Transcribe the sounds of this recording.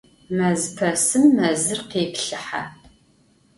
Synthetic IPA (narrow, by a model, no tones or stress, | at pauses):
mɐzpʰɐsɨmːɐzɨrqeːpɬɨħa̰